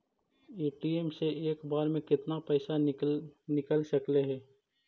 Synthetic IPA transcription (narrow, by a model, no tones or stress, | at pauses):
eːʈieːmseʔeːkbaːɾmẽkɪt̪napɛːsa | nɪkəlʃɐkleɦɛː